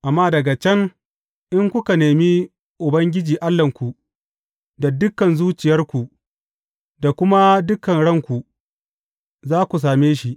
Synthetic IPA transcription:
ʔa˨mːaː˦dɐ˨ɡa˨t͡ʃɛ˦ŋ | ʔɪ˦ŋkʷʊ˦ka˨neː˨mi˦ | ʔʊ˨bɐ˦ŋɡʲɪ˦d͡ʒiː˨ʔa˦lːɐ˨ŋkʷu˨ | da˨dʊ˦kːɐ˨nzuː˦t͡ʃɪ˨jɐ˦rkʷu˨ʔ | da˨kʷʊ˦ma˦dʊ˦kɐ˨nɽɐ˦ŋkʷu˨ | zaː˦kʷu˨s̬aː˨meː˦ʃi˦ʔ

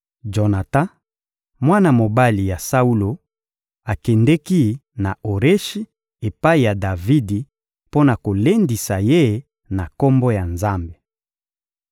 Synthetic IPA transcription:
d͡ʒo˨na˨tã˦ | mwa˦na˨mo˨ba˦li˨ja˨sa˦u˦lo˨ | a˨kɛ˨ndɛ˦ki˦na˨o˨ʁe˦ʃi˦ | e˨pa˦i˨ja˨da˨vi˦di˨ | po˦na˨ko˨le˦ndi˨sa˨je˦ | na˨ko˦mbo˦ja˨nza˦mbe˨

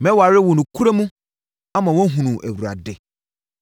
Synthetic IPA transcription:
mɛ̃˦wɔ˨a˨ɾɪ˦wɔ˨nũ˨kʰu˦ɾe˦mũ˦ | a˦mã˨wɔ̃˦ɦũ˨nũ˨ʔæ˨wu˨ɾa̰˨dɪ˦

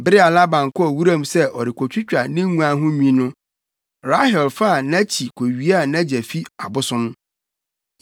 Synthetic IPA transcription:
bɪ˦ɾɪ˦a˨la˦bã˨ŋkʊ˦ɔ˨wu˦ɾã˦m˦sɛ˦ʔɔ˨ɾɪ˨kʰo˨t͡ɕᶣʰʊ˦t͡ɕᶣa˨nɪ̃˦ŋũ˦a˦ɦʊ̃˦mĩ˦nʊ̃˦ | ɾa˦hɛ˨lfa˦˨nã˦t͡ɕʰi˨kʷʰo˨ɥi˦a˦˨nã˦d͡ʑɛ˨fi˦a̰˨bʊ˦sʊ̃˦m

